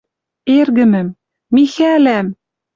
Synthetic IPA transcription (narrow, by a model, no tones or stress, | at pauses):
erɡɘ̆mɘ̆mː | ixælæm